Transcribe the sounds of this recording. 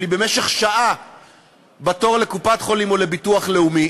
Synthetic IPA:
libe̞me̞ʃe̞χʃaʔa | bato̞ʁle̞kupatχo̞limo̞le̞bituaχle̞umi

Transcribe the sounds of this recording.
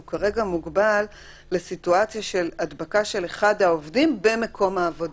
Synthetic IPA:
kaʁe̞ɡamuɡbalː | e̞situat͡sjaʃe̞ladbakaʃe̞le̞χadhaovdimbe̞me̞kʰo̞maːvo̞d

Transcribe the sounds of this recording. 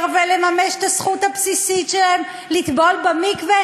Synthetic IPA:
ʁvelemameʃe̥t̪asχuthapsisitʃelaem | lit̪bo̞lbemikve

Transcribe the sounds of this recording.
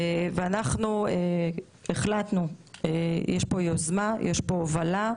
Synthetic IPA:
veanaχnue | eχlat̪nuejɛʃpo̞jozmajʔeʃpoːvala

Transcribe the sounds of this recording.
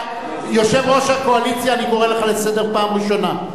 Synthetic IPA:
jo̞ʃe̞vʁo̞ʃhako̞alit͡sjaːniko̞ʁeleχalese̞de̞ʁpaːmʁiʃo̞na

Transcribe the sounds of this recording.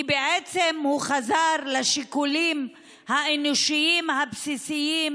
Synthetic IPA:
beʕet͡semhuχazaʁlaʃikulim | haenoʃiimhabsisijim

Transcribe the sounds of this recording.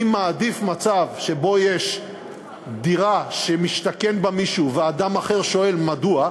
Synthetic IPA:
imaːdifmat͡savʃe̞bo̞jeʃ | diʁaʃemiʃt̪akenbamiʃuvead̪amaχeʁʃo̞e̞lmadua

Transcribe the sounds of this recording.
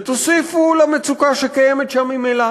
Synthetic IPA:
t̪osifulamet͡sukaʃekajemet̪ʃamːimela

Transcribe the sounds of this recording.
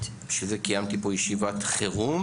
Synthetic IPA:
ʃezekijamt̪ipojeʃivat̪χeʁum

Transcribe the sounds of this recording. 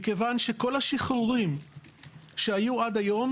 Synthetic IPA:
kevanʃeko̞laʃiχuʁim | ʃeajuʔad̪ajo̞m

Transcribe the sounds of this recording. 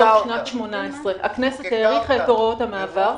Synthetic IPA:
aʃnotʃmo̞naesʁehaknesetheʁiχelkoʁothamaːvaʁ

